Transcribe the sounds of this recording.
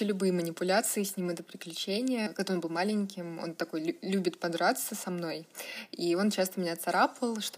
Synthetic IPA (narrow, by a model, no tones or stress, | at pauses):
elʲʊbɨjəmənʲɪpʊlʲat̪sɨɪsʲnʲimɛt̪əpɾʲɪklʲʉt͡ɕenʲɪjəkɐɡd̪aonbɨlˠmalʲɪnʲkʲɪmo̞̰nt̪ɐko̞jʲlʲubʲɪt̪pɐd̪ɾat̪səsɐmno̞jio̞nt͡ɕast̪əmʲɪnʲat̪sɐɾapəlˠʂt̪o